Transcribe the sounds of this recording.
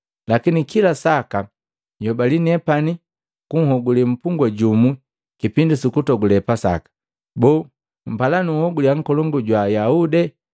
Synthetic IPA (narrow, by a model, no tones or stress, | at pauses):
lakinikilasaka | jɔbalinɛpani | kuŋ̩hɔɡulim̩puŋɡwaɟumu | kipindisukutɔɡulɛpasa̰kḁ | bɔː | m̩palanuhɔɡuljaŋ̩kɔlɔŋɡuɟwajaudɛ